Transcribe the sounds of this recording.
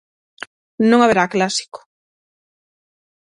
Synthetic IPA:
nõŋaβeɾaːklasi̥kʊ̥

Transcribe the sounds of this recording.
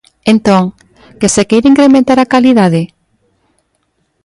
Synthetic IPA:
ẽnt̪oŋ | kesekejɾiŋkɾemẽnt̪aɾakaliðaðe

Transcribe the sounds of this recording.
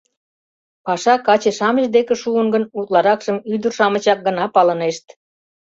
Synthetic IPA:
pɑʃɑkɑt͡ɕeʃɑməʒd̪ekĕʃuəŋɡənut̪lɑɾɑkʃəmyd̪ərʃɑmə̆t͡ɕɑk̚ɡənɑpɑləneʃt̪

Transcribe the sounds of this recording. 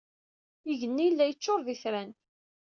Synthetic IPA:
iʝənːijlːæjət͡ʃːoɾˤðiθɾæn

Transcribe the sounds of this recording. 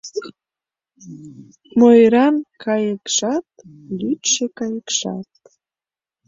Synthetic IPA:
mojɾɑnkɑjəkʃɑt̪ | lyt̪ʃekɑjəkʃɑ̰t̪̚

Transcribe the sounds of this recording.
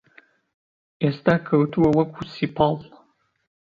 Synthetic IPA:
estʰakʰɐwtʰuwɐwɐkʷʰusipʰɑl

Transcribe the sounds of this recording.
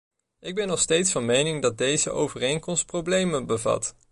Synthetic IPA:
ʔɪɡ̚bɛnːɔχstejtsfɑnmejnɪŋdɑt̚dejzəʔo̰wvərejnkɔmst̚prowblejmənbəvɑ̰t

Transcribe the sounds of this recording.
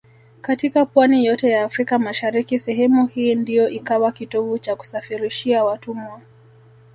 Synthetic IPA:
katikapwanijɔtɛjaːfɾikamaʃaɾikisɛɦɛmuhiːndijɔʔikawakitɔvut͡ʃaku̥safiɾiʃiawatumwa

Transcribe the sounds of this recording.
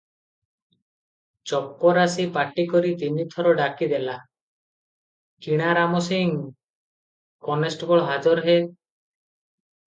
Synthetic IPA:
t͡ʃɔpːɔɾasipaʈikɔɾit̪init̪ʰɔɾɔɖakid̪ela | kiɽ̃aɾamɔsiŋ | kɔnesʈbɔɭɦad͡ʒɔɾɦe

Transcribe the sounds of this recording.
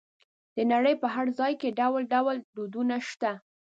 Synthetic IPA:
d̪̥ənaɽəjpəɦaɽzɑjkeɖawlɖawld̪od̪unaʃt̪a

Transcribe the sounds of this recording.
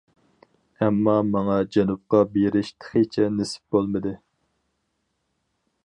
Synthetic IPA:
ɛmːɑmɑŋɑd͡ʒɛnup̚qɑbeɾɪʃt̪ʰə̥χet͡ʃʰɛnesɪ̥p̚b̥olˠmɨd̪ɨ

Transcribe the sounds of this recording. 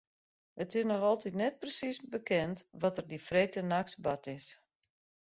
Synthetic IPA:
ətɪsnɔxɔlˠtitnɛt̚prəsisbəkʰɛntʋɔtərdifreːk̚ənaksbatɪs

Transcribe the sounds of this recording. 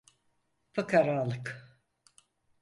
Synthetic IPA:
pʰɯkaɾaːlˠɯk

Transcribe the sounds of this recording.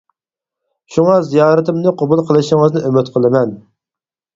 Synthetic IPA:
ʃuŋɑzijɑːɾɨt̪ɪmnɨqʰʊbulˠqʰəlˠɨʃɪŋɨznɪʔømɪt̪qʰəlˠɨmɛn

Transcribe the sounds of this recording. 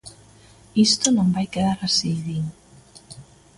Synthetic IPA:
ist̪onõŋbajkeðaɾasiðiŋ

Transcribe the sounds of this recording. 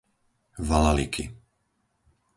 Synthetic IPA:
valalikʰḭ

